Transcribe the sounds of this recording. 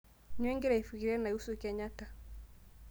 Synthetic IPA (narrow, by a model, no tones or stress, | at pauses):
ɲwɛŋɡiɾaifukiɾianausukɛɲata